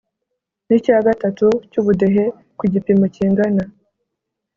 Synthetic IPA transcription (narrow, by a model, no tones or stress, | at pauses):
nicaːɡatatucuβudeɦe̞ | kwiɟipimociːŋɡana